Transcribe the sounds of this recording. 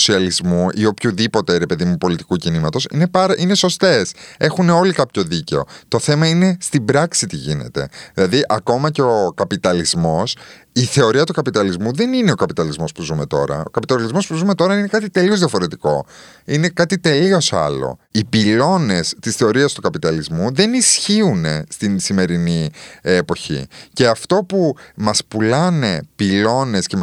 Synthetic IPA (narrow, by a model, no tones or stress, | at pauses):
siɐlizmuʔio̞pçuðipo̞t̪e̞ɾe̞pe̞ðimupo̞lit̪i̥kucinimɐt̪o̞sinepɐɾʔine̞so̞st̪e̞se̞xuneo̞likɐpço̞ðice̞o̞̰t̪o̞θe̞mɐine̞st̪ibɾɐksit̪iʝine̞̰t̪e̞̰ðilɐðiʔɐko̞mɐceokɐpit̪ɐlizmo̞s | iθe̞o̞ɾiɐt̪ukɐpit̪ɐlizmuðe̞nine̞o̞kɐpit̪ɐlizmo̞spuzume̞t̪o̞ɾɐ̰o̞̰kɐpit̪ɐlizmo̞spuzume̞t̪o̞ɾɐine̞kɐt̪it̪e̞liozðiɐfoɾe̞t̪iko̞ | ine̞kɐt̪it̪e̞lio̞sɐ̰lo̞̰ipilo̞ne̞st̪isθe̞o̞ɾiɐst̪ukɐpit̪ɐlizmuðe̞nisçiune̞st̪insime̞ɾiniepo̞çḭce̞ɐft̪o̞pumɐspulɐne̞pilo̞ne̞sce